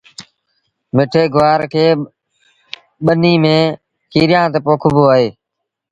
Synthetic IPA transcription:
mɪʈʰeːɡʊʋaːɾkʰeː | ɓəniːmẽː | kʰiːɾɪjãːt̪eːpoːkʰʊboːaːɦeː

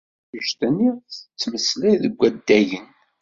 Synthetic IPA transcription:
əʃt̪əniθət͡sːməslæðəɡʷːæd̪ːæjən

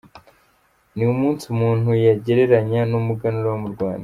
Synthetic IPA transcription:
niumuːnsumuːn̥hujaɟe̞ɾe̞ɾaɲanumuɡanuɾawamuɾɡwa̰ːnda

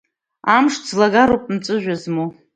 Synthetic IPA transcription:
amʂzlaɡaɾopʼmt͡sʼɨʒʷᶣazmo

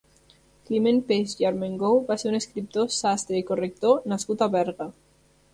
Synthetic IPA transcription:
klimẽnpesjaɾmẽŋɡowβaseɾuneskɾip̚t̪osast̪ɾeikorek̚t̪onaskut̪aβeɾɣa

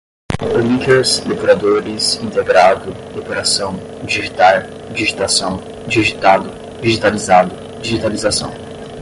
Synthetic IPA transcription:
lĩkeɾsd̪ekoɾad̪oɾɪsĩnt̪eɡɾad̪ʊd̪epeɾasɐ̃w̃ | d͡ʒiʒit̪aw | d͡ʒiʒit̪asɐ̃w̃ | d͡ʒiʒit̪ad̪ʊ | d͡ʒiʒit̪alizad̪ʊ | d͡ʒiʒit̪alizasɐ̰̃w̃

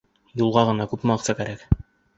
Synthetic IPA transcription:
julˠʁɑʁɤ̆nɑkʉpmɑqsɑkæɾæk

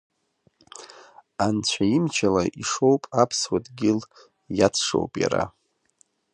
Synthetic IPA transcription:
ant͡ɕʷʰaimt͡ʃʰalaʔiʂo̞wpʼapʰswatʼɡʲɪl | jat͡sʰʂo̰wpʼja̰ɾa̰

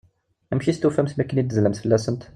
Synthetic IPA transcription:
æmʃist̪ufæmsmækənit̪ːəzlæmsfəlːæsəmt̪

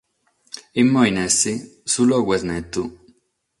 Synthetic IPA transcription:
imːɔinɛsːisulɔɡwɛznɛt̪ːu

